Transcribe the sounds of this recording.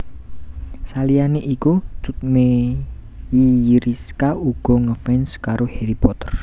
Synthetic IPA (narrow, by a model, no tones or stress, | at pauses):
salijaneʔikut͡ʃut̪̚me | jiɾiskaʔuɡ̥ɔŋəfɛnskaɾoheɾipɔt̪ər